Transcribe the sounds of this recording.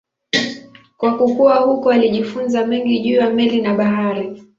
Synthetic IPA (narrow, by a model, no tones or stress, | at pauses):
kwakukuahukɔaliʄifunzamɛŋɡiʄuːjamɛlinaɓaɦaɾi